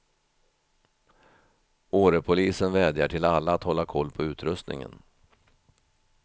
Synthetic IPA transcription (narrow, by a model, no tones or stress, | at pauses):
oːɾəpʰʊliːsənvɛːd̪jaʈʰɪlalːaːt̪hɔlːakʰɔlːpʰɔʉ̟ːt̪ɾɵst̪nɪ̰ŋə̰n